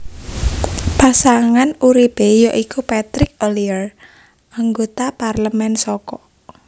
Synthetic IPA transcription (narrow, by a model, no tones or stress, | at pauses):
pasaŋanuɾipejɔʔikupat̪ɾɪk̚oliər | ʔaŋɡot̪aparləmɛnsɔkɔ